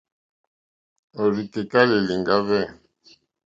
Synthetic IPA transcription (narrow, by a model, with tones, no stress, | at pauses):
o˨ɾi˨ke˨ka˦li˨li˨ŋɡa˦vɛ˦˨